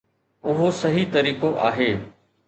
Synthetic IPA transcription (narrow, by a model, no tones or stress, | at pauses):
ʊɦosɐɦit̪ɐɾiːkoʔa̰ːɦeː